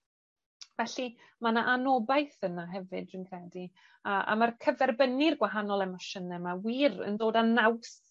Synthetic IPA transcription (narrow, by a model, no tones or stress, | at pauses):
vɛɬi | manaʔanɔbajθənaɦɛvɨdrɨnkʰrɛdi | aa̰markʰəvɛrbənɪrɡwaɦanɔlˠɛmɔʃənɛmawiːrə̰ndoːdanaws